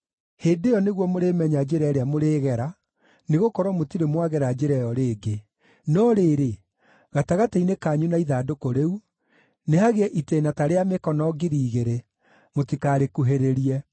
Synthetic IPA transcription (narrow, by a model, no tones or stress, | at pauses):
heːdejɔneɣwɔmoɾemɛɲad͡ʒeɾɛɾeamoɾeːɣɛɾa | neɣokɔɾwamotiɾemwaɣɛɾad͡ʑeɾɛjɔɾeːɡe | nɔɾeːɾe | ɣataɣateinekaɲunaiðaːdokoɾeu | nehaɣeɛʔiteːnataɾeamekɔnɔɡiɾiːɣeɾe | motikaːɾekuɦeɾeɾiɛ